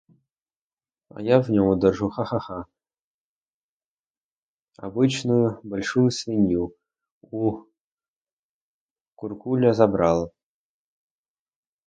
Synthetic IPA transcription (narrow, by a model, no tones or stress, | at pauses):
a̰jɑvnʲomud̪ɤ̆rʐuχɑχɑχɑ | a̰bɨt͡ɕnujubolʲʂujusʲvʲenʲju | u | kurkulʲazɑbrɑlˠ